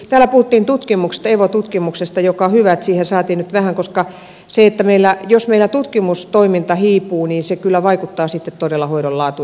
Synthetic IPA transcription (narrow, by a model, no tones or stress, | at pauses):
t̪æːlæpuhut̪ːiːnt̪ut̪kimukse̥st̪ɑeʋot̪ut̪kimuksest̪ɑjokɑhyʋæt̪siːhensɑːt̪iːnnyt̪ʋæhæŋkoskɑ | seet̪ːæmeilːæjosmeilːˑæt̪ut̪kimust̪oimint̪ɑhiːpuːniːnsekylːæʋɑikut̪ːɑːsit̪ːet̪t̪odelːɑhoiɾollɑːt̪u